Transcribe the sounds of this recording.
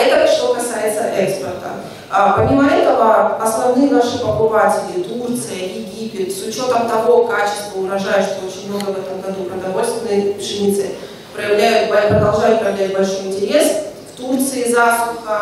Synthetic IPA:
ɛt̪əʂt̪o̞kɐsajɪt̪səʔɛkspʲɪrt̪ə̰ | apɐmʲiməɛt̪əvəɐsnɐvnɨjnaʂɨpəbɨvatʲɪlʲɪt̪urt̪sɨjəjɪɡʲipʲɪt̪sʊt͡ɕo̞t̪əmt̪ɐvo̞kat͡ɕɪ̥st̪vəʊvɾɐʐajʊʂt̪oot͡ɕɪnʲmno̞ɡəvɛt̪əmɡɐd̪upɾəd̪ɐvo̞lʲst̪vʲɪnːɨjəʐɨnʲit̪sɨ | pɾəjɪvlʲæjʊt̪̚bɐpɾəd̪ɐlˠʐajʊt̪̚pɾəjɪvlʲæt̚ʲbɐlʲʂo̞jɪnʲtʲɪɾʲe̞sft̪urt̪sɨɪzast̪ˠʊxə

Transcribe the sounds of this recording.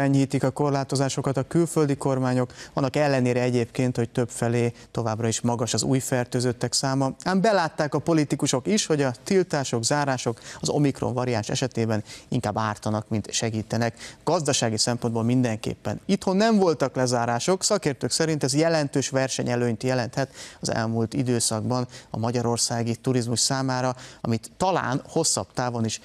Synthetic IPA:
ɛɲhiːt̪ikɒko̞rlaːt̪o̞zaːʃo̞kɒt̪ɒkylføld̪iko̞rmaːɲo̞kʋɒnːɒkɛlːɛneːɾɛɛɟeːpkeːnt̪ho̞c̚t̪øpfɛleːt̪o̞vaːbrɒiʃmɒɡɒʃɒzṵːjfɛrt̪øːzøt̪ːɛksaːmɒaːmbɛlaːt̪ːaːkɒpo̞lit̪ikuʃo̞kiʃho̞ɟɒt̪ilt̪aːʃo̞ɡzaːɾaːʃo̞kɒzo̞̰mikro̞̰ɱvɒɾianʃɛ̰ʃɛt̪eːbɛniŋkaːbːaːrt̪ɒnɒkmint̪ʃɛɡiːt̪ɛnɛkɡ̥ɒzd̪ɒʃaːɡisɛmpo̞nd̪boːlmind̪ɛŋkḛːpːɛ̰nit̪ho̞nːɛɱvo̞lt̪ɒklɛzaːɾaːʃo̞ksɒkeːrt̪øːksɛɾint̪ɛzjɛlɛnt̪øːʃʋɛrʃɛɲɛløːɲt̪jɛlɛnt̪hɛt̪ɒzɛ̰lmuːlt̪id̪øːsɒɡ̚bɒnɒ̰mɒɟɒɾo̞rsaːɡit̪uɾizmuʃsaːmaːɾɒɒ̰mit̪ːɒla̰ːnho̞sːɒ̰bt̪aːvo̞niʃ

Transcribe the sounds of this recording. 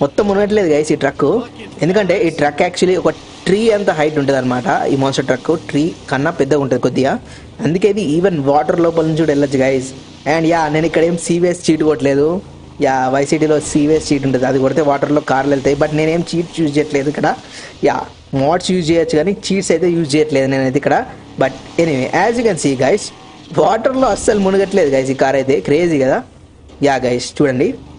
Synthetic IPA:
mɔt̪ːɐmunɡɐʈ̬ɐle̞ːd̪uɡɐjsiːʈɾɐkːu | end̪ukɐɳʈe̞ːiːʈɾɐkːæːk̚t͡ʃuɐliɔkɐ | ʈɾiːɐnt̪ɐɦɐjʈ̬uɳʈ̬ːuːd̪ɐnːɐmaːʈɐ̰ḭːmoːnsʈɐʈɾɐkːuʈɾiːkɐnːɐpɛd̪ːɐuɳʈund̪ikod̪ːija | ɐnd̪uk̬eːid̪iiːʋenʋaːʈɐɾloːp̬ɐlnuɲt͡ʃuɖelːɐd͡ʒɡɐjs | ɛːɳɖjaːne̞ːnuikːɐɽɐe̞ːmsiːʋiest͡ʃiːʈkoːʈ̬le̞ːd̪u | jaːʋɐjsiːʈiːlo̞ːsiːʋeːst͡ʃiːʈ̬uɳʈund̪iɐd̪ikɔːɽɾt̪eːʋaːʈɐɾloːkaːɾlɛlt̪aːjibɐʈne̞ːne̞ːmt͡ʃiːʈt͡ʃjuːst͡ʃɛjɐʈleːd̪uikːɐɽaja̰ː | maːʈsjuːd͡ʒt͡ʃɛjɐt͡ʃːuɡaːniːt͡ʃiːʈsɐjt̪eːjuːd͡ʒt͡ʃɛːjɐʈleːd̪une̞ːnɐd̪ikːɐɽɐ | bɐʈ̚ | eniʋḛːʔaːzjuːkɛnsiːɡɐjs | ʋaːʈɐɾloːɐsːɐlumunuɡɐʈːle̞ːd̪uɡɐjs̬ikaːɾɐjt̪̬e̞ːkɾe̞ːziːkɐd̪aː | jaːɡɐjst͡ʃuːɽɐɳɖi

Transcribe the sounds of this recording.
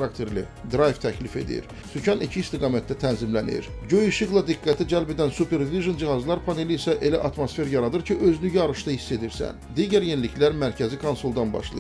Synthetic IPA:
ɾɑkt̪ʰe̞ɾlid̪ɾɑjvt̪ʰæclife̞̰d̪ḭɾ | sycʰɑnicʰiːst̪iɡɑːmæt̪̚d̪æt̪ʰænzimlænḭɾɟøjuʃɯɣlˠɑd̪iɡːæt̪ʰid͡ʒælbed̪ænsupʰe̞ɾd̪iviʒond͡ʒihɑzlˠɑɾpʰɑneliːsæʔe̞læʔɑt̪mosfe̞ɾjɑɾɑd̪ɯɾcʰiʔø̞zynyjɑɾɯʃt̪ɑhisːe̞d̪iɾsæ̰nd̪iɟæɾjenilicʰlæɾmæɾcʰæzikʰonsolˠd̪ɑnbɑ̰ʃlˠɯ̰

